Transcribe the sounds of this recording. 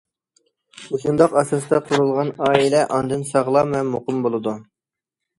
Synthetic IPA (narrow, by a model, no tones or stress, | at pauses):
uʃund̪ɑqɑsɑst̪ɑqʰʊɾulˠʁɑnɑːilɛʔɑnd̪ɨnsɑʁlˠɑmɛmːoqɨmbolˠɨd̪u